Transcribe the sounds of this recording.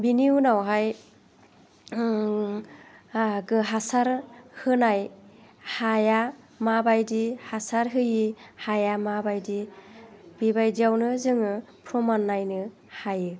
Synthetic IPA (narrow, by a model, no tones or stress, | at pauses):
biniunawɦaj | ɡɯɦasaɾhɯnaj | haja | mabajdihasaɾɦɯjihajamabajdi | b̥ibajdiawnɯzɯŋɯ | pʰɾɔmanːajnɯ | hajɯ